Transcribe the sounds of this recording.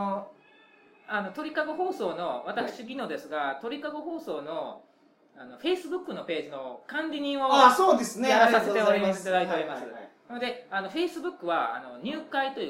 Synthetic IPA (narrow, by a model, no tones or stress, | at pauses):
o | ano̞t̪o̞ɾʲikaɡo̞ɦo̞ːso̞ːno̞βat̪akɯ̟̥ɕiɡʲino̞d̪e̞sɨɡat̪o̞ɾʲikaɡo̞ɦo̞ːso̞ːno̞ | ano̞ɸe̞ːsɨbɯ̟kːɯ̟no̞pe̞ːʑino̞kãɲɾʲiɲ̟ĩɰ̃oasoːd̪esɨneeasaset̪eoɾʲit̪ad̪ait̪eoɾʲimasɨnanod̪e̞ano̞ɸe̞isɨbɯ̟kːɯ̟βaa̰no̞ɲ̟ɨːkait̪o̞